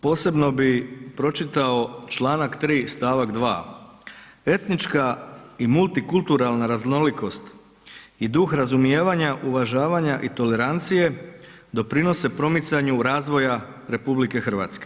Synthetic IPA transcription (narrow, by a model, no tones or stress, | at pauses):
po̞ːse̞bno̞bipɾo̞t͡ʃit̪ao̞t͡ʃlˠaːnakt̪ɾiːst̪aːʋakd̪ʋa̰ː | e̞t̪nit͡ʃkaimult̪ikulˠt̪uɾalnaɾazno̞liko̞st̪ | id̪uxɾazumje̞ːʋaɲaʔuʋaʒaːʋaɲaʔit̪o̞le̞ɾant̪sije̞d̪o̞pɾino̞se̞pɾo̞mit̪saɲuɾaːzʋo̞ja | ɾe̞publike̞xr̩ʋa̰t̪ske̞